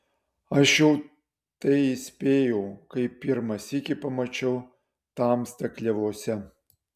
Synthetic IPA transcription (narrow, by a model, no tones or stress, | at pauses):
ɐʃjɛʊ | t̪ɐɪɪsʲpʲeːjɛʊkɐɪpʲɪɾmɐsikʲɪpɐmɐt͡ʃʲɛʊ | t̪ɑːmst̪ɐklʲɛʋoːsʲɛ